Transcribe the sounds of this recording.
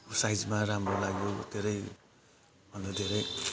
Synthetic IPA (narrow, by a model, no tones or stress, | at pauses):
sajd͡zmaɾamɾolaɡjod̪ʱeɾʌj | bʱʌndod̪ʱeɾʌj